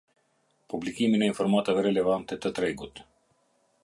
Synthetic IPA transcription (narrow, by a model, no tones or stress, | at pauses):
publikiminainfɔɾmat̪avɛɾɛlɛvant̪ɛt̪at̪ɾɛjɡot̪